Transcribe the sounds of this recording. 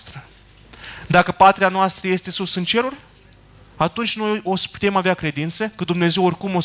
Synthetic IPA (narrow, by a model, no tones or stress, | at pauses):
t̪ɾə | d̪akəpat̪ɾeanoast̪ɾəje̞st̪e̞susɨnt͡ʃe̞ɾurʲ | at̪unt͡ʃʲno̞jjo̞sə̥pu̥t̪e̞maveakɾe̞d̪int̪sekəd̪umne̞ze̞worʲkumo